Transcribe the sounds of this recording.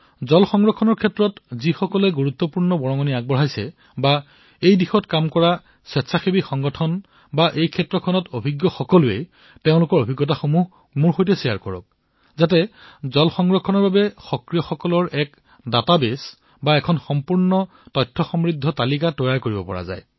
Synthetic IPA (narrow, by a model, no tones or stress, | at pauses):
zɔlxɔŋɡɹɔkʰːɔnɔɹkʰɛtɹɔtzixɔkɔlɛɡuɹut̪ːɔpuɹnɔbɔɹɔŋɔniaɡ̚bɔɹɦajsɛ | ba | ejdixɔtkamkɔɹa | sɛtsaxebixɔŋɡɔtʰɔn | baʔejkʰɛtːɹɔkʰɔnɔtobʱiɡjɔxɔkɔlʊḛj | teʊ̃lʊkɔɹobʱiɡːɔtaxomuɦ | muɹxojtɛsijaɹkɔɹɔ̰k̚ | zatɛzɔlxɔŋɡɹɔkʰːɔnɔɹbabɛxɔkɹijɔxɔkɔlɔɹɛk | databes | baɛkʰɔnxɔmpuɹnɔ | tɔjtʰːɔxɔmɹidʱːɔtalikatɔjaɹkoɹibɔpɔ̰ɹa̰za̰j